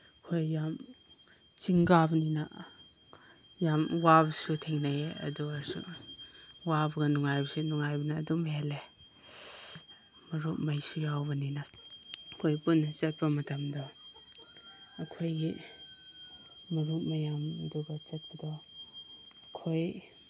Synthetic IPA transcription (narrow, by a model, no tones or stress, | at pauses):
ɐkʰojːam | t͡ʃiŋɡabɐninɐ̰ | jamwabɐsutʰeŋnajeɐ̰duaɾsṵ | wabɐɡɐnuŋajbɐsunuŋajbɐnɐːdumhele | mɐɾut̚majsujawbɐninɐ | kʰojpunːɐt͡ʃɐt̚pɐmɐtɐmdɔ | kʰojɡi | mɐɾuk̚mɐjamduɡɐt͡ʃɐt̚pɐdɔː | kʰoj